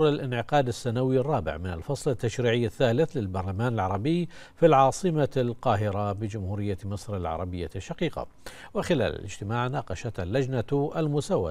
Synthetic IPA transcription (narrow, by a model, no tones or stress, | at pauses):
ɾalʔɪnʕɪqɑːd̪asːaːnawirˤːɑːbɪ̰ʕmɪna̰lfɑsˤlɪt̪ːaʃɾiːʕɪjːaθːaːlɪθlɪlbɑɾˤlamaːnɪlʕɑɾˤɑbɪjː | filʕɑːsˤɨmalqɑːɦɪɾabɪd͡ʒʊmhuːɾɪjːamɑsˤɾɪlʕɑ̰ɾˤɑbɪjːaʃːɑqiːqa̰ | wɪxɪla̰ːla̰lɪ̰d͡ʒt̪ɪmaːʕnaːqɑʃat̪alːad͡ʒnaalmʊsawːa̰